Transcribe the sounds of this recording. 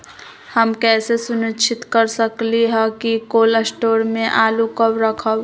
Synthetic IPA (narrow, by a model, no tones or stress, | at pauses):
həmkɛːsesʊnɪt͡ʃʰɪt̪kəɾsəkliɦɛkikoːləsʈoːɾmẽʔaːlukəwɾəkʰəw